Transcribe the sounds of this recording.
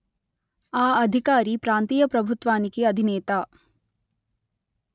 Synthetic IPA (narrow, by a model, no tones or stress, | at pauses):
aːɐd̪ʱikaːɾipɾaːnt̪iːjɐpɾɐbʱut̪ʋaːnikiɐd̪ʱineːt̪aː